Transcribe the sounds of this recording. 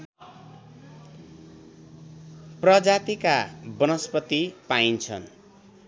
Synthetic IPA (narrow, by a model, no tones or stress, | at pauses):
prʌd͡zat̪ikabʌnʌspʌt̪ipaint͡sʰʌ̰n